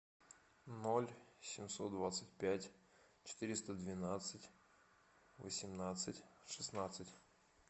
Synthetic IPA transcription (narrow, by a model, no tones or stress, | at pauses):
nolʲsʲɪmʲso̞t̪̚d̪vat̪sɨtʲpʲætʲ | t͡ɕɪ̥t̪ɨɾʲɪst̪əd̪vʲɪnat̪sɨtʲ | və̰sʲɪmnat̪sɨtʲʂɨsnat̪sɨtʲ